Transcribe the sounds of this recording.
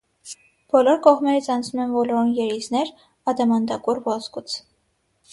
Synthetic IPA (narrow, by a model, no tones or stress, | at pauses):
b̥ɔlɔɾkɔʁmɛɾit͡sʰɑnt͡sʰnumɛnvɔlɔɾunjɛɾiznɛɾ | ɑd̪ɑmɑnd̪ɑkurvɔzkut͡sʰ